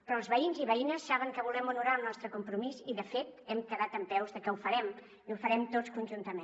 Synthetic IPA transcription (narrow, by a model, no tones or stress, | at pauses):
pɾɔlˠzβəinziβəinəsːaβəŋkəβ̞ulɛmunuɾalˠnɔst̪ɾəkumpɾumiziðəfet̪ɛmkəðat̪əmpɛwzðəkɛufəɾɛm | iufəɾɛmt̪ot͡sskunʲʒunt̪əme